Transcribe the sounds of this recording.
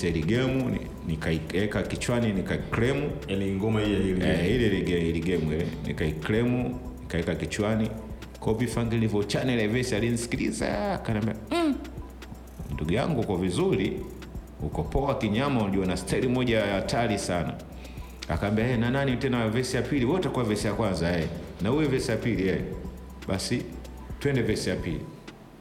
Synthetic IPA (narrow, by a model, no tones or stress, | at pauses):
saliɡɛmuḭ | nikaiɛkakit͡ʃwaninikaiklɛmuaniŋɡɔmaijailiɛilɛliɡɛiliɡɛmwɛnḭkaiklɛmu | nikaɛkakit͡ʃwani | kɔpifaŋɡɛlivɔt͡ʃanɛlɛvɛsialin̩isi̥kiɾḭza̰akaniambiam̩ | nduɡuja̰ŋɡukavizuɾi | ukɔpɔakiɲamaunduɔnastaiɾimɔʄaaːtʰalisana̰ | a̰kaːmbiaɛnananitɛnavɛsijapiliwɔtakuwavɛsijakwanzaɛɛnauwɛvɛsijapiliɛɛ | ɓasitwɛndɛvɛsijapḭlḭ